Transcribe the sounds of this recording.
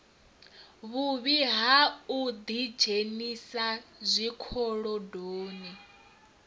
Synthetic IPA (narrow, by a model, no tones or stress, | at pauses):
βuβiɦaud̪id͡ʒʱenisazʷikʰɔɺɔdoːni